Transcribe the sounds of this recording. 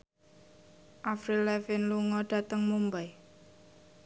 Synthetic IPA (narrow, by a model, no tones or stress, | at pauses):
ʔafɾilɛfɪnluŋɔɖ̥ä̤t̪əŋmumbaj